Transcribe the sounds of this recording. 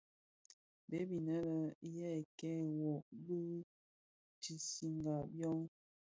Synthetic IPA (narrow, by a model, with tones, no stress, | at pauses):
be˨˦bi˨nə˦lə˨jɛ˦˨kɛ˦˨wɔ˨bə˦ | ti˨si˨ŋɡa˨bjɔ˦ŋ